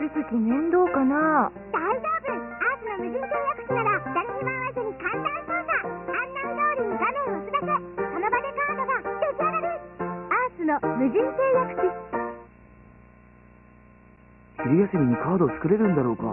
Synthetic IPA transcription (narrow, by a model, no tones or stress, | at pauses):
isekʲinẽnd̪o̞ːkana | d̪aid͡ʑoːbɯ̟̃ŋaːsɨnomɯ̟ʑĩnt̪eːjakɯ̟̥kʲinaɾad̪aɾiɲimaasɨɲ̟ikãnsaioːsaãnːanɯd̪oːɾʲinoɡanõːosɨbasesonobad̪e̞kaːd̪oβak̪ʲeziaɾaɾeaːsɨnomɯ̟ʑĩnt̪eːjakɯ̟̥kʲi | siɾʲijasɨmʲiɲ̟ikaːd̪o̞ːt͡sɨ̥kɯ̟ɾe̞ɾɯ̟̃nd̪aɾo̞ːka̰